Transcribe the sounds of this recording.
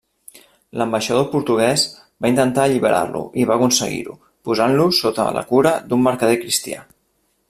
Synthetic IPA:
ləmbəʃəð̞opuɾt̪uɣ̞ɛz | baint̪ənt̪aʎiβəɾʔa̰rlṵʔiβaəkunsəɣḭɾṵ | puzanlusot̪ə̰lə̰kuɾəd̪umːəɾkəðekɾist̪ia̰

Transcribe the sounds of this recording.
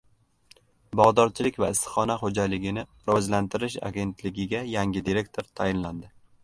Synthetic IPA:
bɒʁd̪ɒɾt͡ʃʰɪlɪkʲva̰ɪst̪χɒnaχod͡ʒalɪɡʲɪnɪ | ɾɒzlant̪ʰɪɾɪʃa̰ɡʲe̞nt̪ʰlɪɡʲɪɡʲajaŋɡʲɪd̪iɾe̞k̚t̪ʰoɾt̪ʰajɪnland̪ɪ

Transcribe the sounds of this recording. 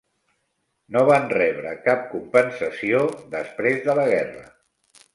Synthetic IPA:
noβanrɛβɾə̰kap̚kumpənsəsioðəspɾezðələɣɛrə̰

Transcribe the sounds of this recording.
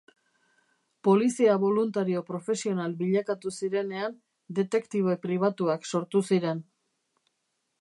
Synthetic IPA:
po̞lisiaβo̞lunt̪aɾio̞pɾo̞fe̞sio̞nalbiʎakat̪usiɾe̞ne̞an | d̪e̞t̪e̞kt̪iβe̞pɾiβ̞at̪uakso̞ɾt̪usiɾe̞n

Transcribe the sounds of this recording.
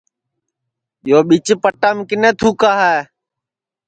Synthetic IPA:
joːɓit͡ʃpəʈamkɪnẽːt̪ʰuːkaːɦɛː

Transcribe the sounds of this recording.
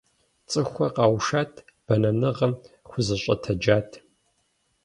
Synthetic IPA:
t͡sʼɨxʷɐqɑːwʃaːtʰ | b̥ɐnɐnɨʁɐmxʷʊzɐɕʼɐ̰tʰɐd͡ʒaːtʰ

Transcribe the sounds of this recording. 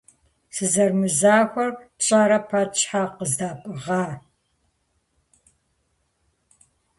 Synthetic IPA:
sɨzɐrmɨzaːxʷɐrpɕʼaːɾɐpʰɐt͡ʃʰʼħaqəzdaːpʼɨʁɑː

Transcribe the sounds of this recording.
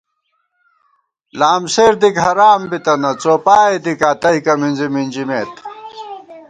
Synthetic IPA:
laːmseːɾd̪ikɦɐɾaːmbit̪ɐnɐt͡soːpaːed̪ikaːt̪ɐɦikɐminzimind͡ʑimeːt̪

